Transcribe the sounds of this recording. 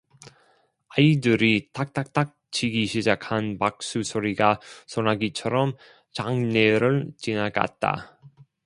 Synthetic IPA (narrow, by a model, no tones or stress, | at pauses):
aidɯɾitak̚t͈ak̚t͈ak̚t͡ɕiɡiɕʰid͡ʑakʰanpak̚s͈usʰoɾiɡasʰonaɡit͡ɕʰʌɾʌm | t͡ɕaŋneɾɯɭt͡ɕinaɡa̰t̚t͈a̰